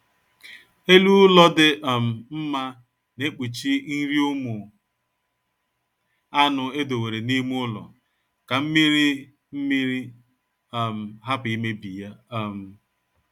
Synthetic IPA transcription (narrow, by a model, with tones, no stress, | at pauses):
e˦lu˦lɔ˦dɪ˦ʔm̩˨m̩˦ma˦ | ne˦k͡pu˨t͡ʃi˦n̩˦ɾi˦ʊ˦mʊ˨ | a˦nʊ˨e˦do˨we˨ɾe˨ni˦m˦ʊ˦lɔ̰˨ | ka˨m̩˦mi˦ɾi˦ | m̩˦mi˦ɾi˦˨ | m̩˨ɦa˦pi˦me˦bi˨ja˦˨m̩˨